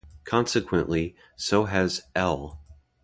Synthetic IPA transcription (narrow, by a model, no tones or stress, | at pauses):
kʰɑ̃nsɨkʰw̥ə̃nʔli | soʊɨzɛlˠ